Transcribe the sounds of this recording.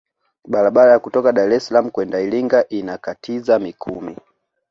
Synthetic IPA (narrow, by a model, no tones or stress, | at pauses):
ɓaɾaɓaɾajakutɔkaɗaɾɛsalamukwɛndailiŋɡaʔinakatʰizamikʰṵmi